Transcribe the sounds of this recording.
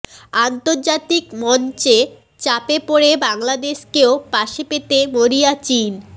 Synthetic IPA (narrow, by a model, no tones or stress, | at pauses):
ant̪oɾd͡ʑat̪ikmɔnt͡ɕe | t͡ɕapepoɽebaŋlad̪eʃkeopaʃepet̪emoɾijat͡ɕin